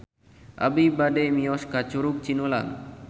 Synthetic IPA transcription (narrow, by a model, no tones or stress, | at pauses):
a̰bibaɖemijɔskat͡ɕoɾuk̚t͡ɕinola̰ŋ